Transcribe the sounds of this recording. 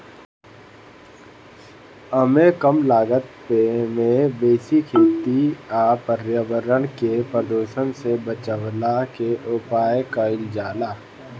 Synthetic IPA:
əmẽkəmlaːɡət̪̚pemẽbeːsikʰeːt̪iaːpəɾjəʋəɾəɽkepɾəd̪oːʃənsebət͡ʃəʋlakeʔʊpaːjkaɪld͡ʒaːlaː

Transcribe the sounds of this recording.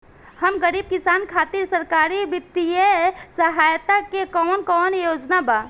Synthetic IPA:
həmɡəɾiːb̚kɪsaːnkʰaːt̪iɾsɐɾkaːɾiʋɪt̪ːijesəɦaːjt̪akekɔːnkɔːnjoːd͡ʒnabaː

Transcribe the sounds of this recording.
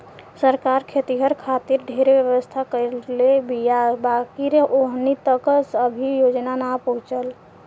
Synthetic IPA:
səɾkaɾkʰet̪iɦəɾkʰat̪iɾɖʱeɾebjəʋəst̪ʰakəɾlebijabakiɾeʔoɦnit̪əksəbʱijod͡ʒnanapəɦũt͡ʃəl

